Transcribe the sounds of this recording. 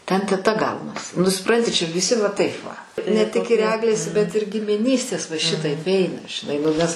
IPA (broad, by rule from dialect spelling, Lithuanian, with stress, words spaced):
ˈtʲɛn tʲɛˈtɐ ˈɡɐʊnɐs nʊ sʊˈprɐnʲtʲɪ ˈt͡ʃʲɛ ʋʲɪˈsʲɪ ʋɐ ˈtɐɪp ʋɐ nʲɛ ˈtʲɪk ɪr ˈæːɡlʲeːs bʲɛt ɪr ɡʲɪmʲɪˈnʲiːsʲtʲeːs ʋɐ ˈʃʲɪtɐɪp ˈɛɪnɐ ʒʲɪˈnɐɪ nʊ ˈnʲɛs